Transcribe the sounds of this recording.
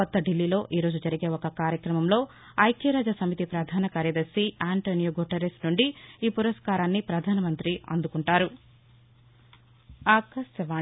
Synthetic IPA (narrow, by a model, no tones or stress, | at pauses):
ɐt̪ːɐɖilːiːlo̞ːʔiːɾoːd͡ʒud͡ʒɐɾiɡe̞ːɔkɐkaːɾjɐkɾɐmɐmlo̞ː | ɐjkeɾaːd͡ʒɐsɐmit̪ipɾɐd̪ʱaːnɐkaːɾjɐd̪ɐɾsiaːɳʈoːnijoːɡuʈɐɾesnuɳɖiiːpuɾɐskaːɾaːnːipɾɐd̪ʱaːnɐmɐnt̪ɾiɐ̰nd̪ukuɳʈaːɾu | aːkɐsjɐʋaː